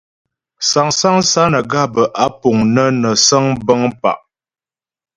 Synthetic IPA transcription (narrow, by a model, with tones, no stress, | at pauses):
sa˨ŋsa˦ŋsa˦nə˨ɡa˦˨bə˨ʔa˦po˨ŋnə˦nə˨sə˦ŋbə˦ŋpa̰˨ʔ